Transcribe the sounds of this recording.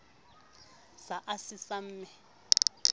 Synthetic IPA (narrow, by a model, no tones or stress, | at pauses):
saʔasisam̩ːmɪ